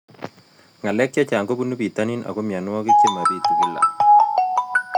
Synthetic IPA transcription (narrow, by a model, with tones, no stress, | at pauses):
ŋa˨lɛ˦k̚t͡ʃa˦t͡ʃa˨ŋɡo˦bu˦nu˦bi˨ta˦ni˦nʔa̰˨ko˦mja˨nwɔ˦ke˦t͡ʃe˦ma˨bi˦t̪u˨ɡi˦la̰˨